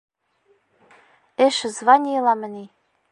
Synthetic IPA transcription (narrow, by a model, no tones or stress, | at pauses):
eʃɘ̆zβɑnʲilɑmɘ̆nʲi